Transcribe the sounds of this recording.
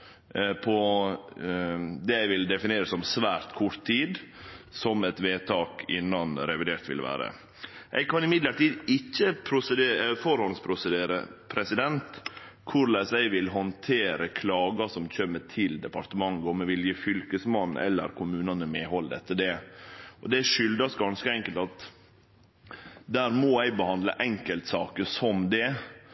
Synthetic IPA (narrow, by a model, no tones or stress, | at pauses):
pʰɔ | d̪ɛæɪʋɪld̪ɛfɪneːɾəsɔmsʋæːɾt̪kʰʊɾt̪ʰːiːd̪sɔmɛt̪ʋeːt̪ʰɑːkɪ̰nːɑnɾɛʋɪd̪eːɾt̪ʋɪ̰lʋæ̰ːɾə̰ | ʔæ̰ɪkʰɑnɪmɪd̪ləɾʈiːd̪ɪçːəpʰɾʊsəd̪eːfɔɾhɔnspʰɾʊsəd̪eːɾə̰pʰɾɛsɪd̪ɛnt̪ | kʰʊɾlæɪsæɪʋɪlɦɔnt̪ʰeːɾəkʰlɑːɡɑsɔmc͡çʰœmːəʈʰɪld̪ɛpɑɾʈ̪əmɑŋɡəɔmːɛʋɪlkəfʏlkəsmɑnːɛ̰lːə̰ɾkʰʊmʉːnɑnəmeːɦɔlːd̪ɛ̰t̪ʰːəɖɛɔd̪ɛæʂʏld̪ɑsɡɑnskəɛŋkəlt̪ɑt̪ | d̪æːɾmɔæɪbəhɑnd̪lə̰ʔɛŋkəlt̪sɑːkəsɔmd̪ɛ